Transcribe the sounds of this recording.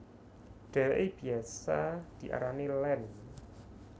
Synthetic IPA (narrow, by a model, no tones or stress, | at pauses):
ɖ̥ɛ̤weʔeb̥i̤asad̪̥i̤ʔa̰ɾanilɛn